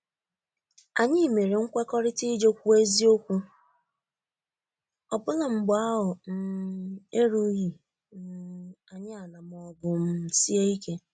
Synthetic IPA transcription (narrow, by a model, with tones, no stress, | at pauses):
a˨ɲɪ˦˨me˨ɾe˨ŋ̩˦kʷe˦kɔ˦ɾɪ˦ti˦d͡ʒo˦kʷu˦e˦zi˦o˦kʷu˦ | ɔ˨bʊ˦la˨ŋ͡m̩˨ɡ͡ba˦ɦʊ˨n̩˦e˦ɾu˦ɦi˨ | n˦a˨ɲɪ˦a˨na˨m˦ɔ˦ɡʊ˨m̩˦˨si˦e˦i˦ke˦